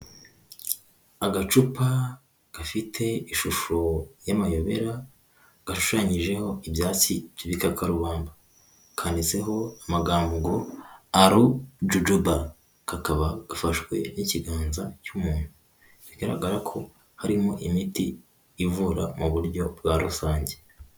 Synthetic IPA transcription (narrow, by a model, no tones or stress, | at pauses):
aɡat͡ʃupa | ɡ̥afitʰe̞iʃuʃojamajo̞βe̞ɾa | ɡ̥aʃu̥ʃaɲiʒe̞ho̞ibjaːt͡sib̥jiβikakaɾuβaːmba | kʰaːndise̞ɦo̞amaɡaːmbuɡoaɾud͡ʒud͡ʒuba | kakaβaɡ̥afaʃwe̞̰niciɡaːnzacumuːn̥hu | ɡiɡaɾa̰ɡaɾakʰo̞ | haɾimo̞ʔimitiː | vuɾa̰muβuɾɟo̞b̚ɡaɾusaːɲɟe̞